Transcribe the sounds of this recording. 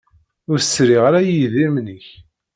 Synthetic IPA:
ʊɾsːɾiʁaɾæjiðiɾmnəç

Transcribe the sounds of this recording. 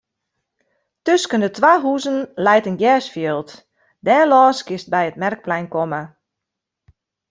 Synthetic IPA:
tøskəndətwaɦuːzənlɛjtənɡjɛːsfjiːlˠt | dɛːlɔːskɪst̚bɛjətmɛrk̚plɛjnkɔmə

